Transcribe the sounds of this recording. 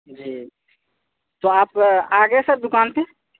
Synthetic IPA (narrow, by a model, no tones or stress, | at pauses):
d͡ʒiː | t̪oːaːpaːɡeesɐɾd̪ʊkaːnt̪ʰẽ